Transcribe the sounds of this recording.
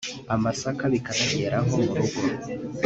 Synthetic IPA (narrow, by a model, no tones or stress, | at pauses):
amasakaβikaɾaɟeːɾʔaɦomuɾuɡo